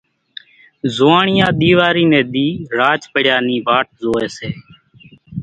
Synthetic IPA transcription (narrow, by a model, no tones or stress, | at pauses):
zoːaːɳɪjãːɗ̪iːʋaːɾiːnɛ̃ːɗ̪iːɾaːt͡ʃpəɽjaːniːʋaːʈ̚zoːeːseː